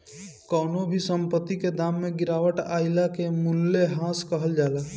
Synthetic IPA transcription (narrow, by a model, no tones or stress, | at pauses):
kɔːnobʱisə̃mpət̪ːiked̪aːmːẽɡɪɾaːwəʈa̰ːɪlakemʊlːeɦãːskəɦəld͡ʒaːlaː